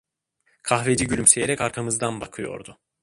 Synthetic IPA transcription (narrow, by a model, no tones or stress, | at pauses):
kʰaxve̞d͡ʒiɟylʲymse̞jeɾɛcaɾkʰamɯzd̪anbakʰɯjo̞̰ɾd̪ʊ